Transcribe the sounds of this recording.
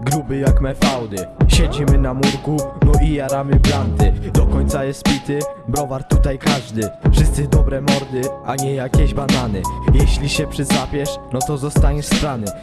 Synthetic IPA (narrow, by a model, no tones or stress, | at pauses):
ɡɾubɘjakmɛfawd̪ɘɕɛd͡ʑimɘnamuɾkunɔʔijaɾamɘblant̪ɘd̪ɔkɔɲt̪sajɛst̪̚pʲit̪ɘbɾɔvaɾt̪ːut̪ajkaʐd̪ɘfʂɨst̪sɘd̪ɔbɾɛmɔɾd̪ɘaɲɛjakʲɛʑbananɘjɛɕlʲiɕɛpʂɘt̪sapʲjɛʂnɔt̪ɔzɔst̪aɲɛʂst̪ɾanɘ